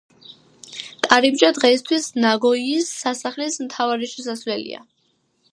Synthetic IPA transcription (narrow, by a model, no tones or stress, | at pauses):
t̪ʼaɾibd͡ʒad̪ʁɛist̪ʰwisnaɡɔiːsːasaχlismt̪ʰavaɾiʃɛsaswɛlḭa̰